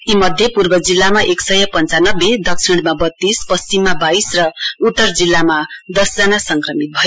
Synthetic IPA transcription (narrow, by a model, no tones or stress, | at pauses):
imʌd̪ʱjʌpurbʌd͡zilːamaʔeksʌjʌpʌnt͡sanʌbːed̪ʱʌksʰiɽ̃mabʌt̪ːispʌst͡simːabaisrʌut̪ːʌrd͡zilːamad̪ʌsd͡zanasʌŋkrʌmit̪̚bʱʌjo